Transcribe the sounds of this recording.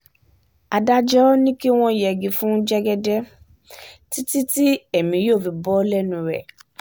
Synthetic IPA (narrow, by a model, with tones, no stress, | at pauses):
a˧da˦d͡ʒɔ˦nĩ˦ki˦w̃ɔ̃˦˨jɛ˨ɡi˨fũ˦d͡ʒɛ˦ɡɛ˧dɛ˦ | ti˦ti˦ti˦ɛ˦˨mĩ˨˧joː˦˨fi˨˧bɔ˦lɛ˦nũ˧ɾɛ̰˨